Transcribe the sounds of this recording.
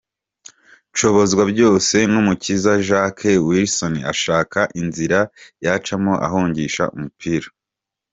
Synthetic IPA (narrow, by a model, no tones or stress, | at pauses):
ʃo̞βo̞zɡwabɟo̞ːse̞numucizaʒakʰewiɾsonia̰ʃaːkaʔinziɾajat͡ʃamoʔa̰ɦoːɲɟiʃa̰umupʰiːɾḁ